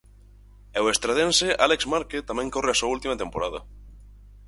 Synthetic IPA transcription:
ɛwest̪ɾaðenseʔalekzmaɾket̪amɛ̃ŋkoreasuault̪imɐt̪empoɾaðɐ̰

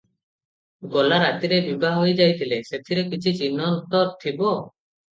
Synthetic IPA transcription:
ɡɔlaɾat̪iɾebibʱaɦojd͡ʒajt̪ʰileset̪ʰiɾekit͡ʃʰit͡ʃinɔnt̪ɔt̪ʰibɔ

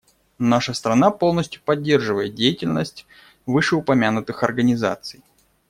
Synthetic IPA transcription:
naʂəst̪ɾɐnapo̞lˠnəsʲtʲjʊpɐdʲːe̞rʐɨvəjɪt̪̚dʲejɪtʲɪlʲnəsʲtʲ | vɨʂɨʊpɐmʲanʊt̪ɨxɐrɡənʲɪza̰t̪sɨj

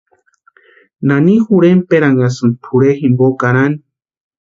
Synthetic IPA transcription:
nanixuɾempeɾaŋɡasɨnpʰuɾeximbokaɾani

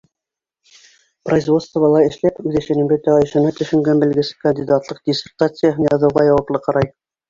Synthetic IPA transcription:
proizvo̞t̪st̪vɑlˠɑɘ̆ʃlæpʉðɘ̆ʃæ̆nɘ̆mbɘ̆t̪ːæʁæɘ̆ʃænæt̪ɵ̆ʃɘ̆ŋɡænbɘ̆lɡɘsɘkɐnʲdʲid̪at̪lˠɤq̚dʲɪsʲɪrt̪at̪sɨjəɦɤnjɑðɤ̆wʁɑjɑwɑplˠɤqɑɾɑj

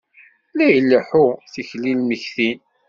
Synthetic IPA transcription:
læjəlːəħʊθiçlilməçθin

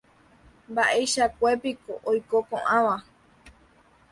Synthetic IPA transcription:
mbaʔejʃakʷepikoʔojkokõʔãʋa

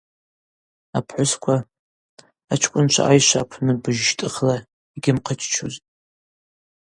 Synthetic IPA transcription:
apʰħʷʊskʷʰaː | t͡ʃʰkʷʼʊnt͡ʃʷʰa̰ʔajʃʷapʷʰnɨbɨʒʃtʼɨχla | iɡʲɪmqʰət͡ʃʰt͡ʃʰuzʼ

